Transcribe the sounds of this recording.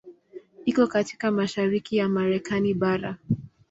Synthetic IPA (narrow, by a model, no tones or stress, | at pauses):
ikɔkati̥kamaʃaɾikijamaɾɛkaniɓaɾa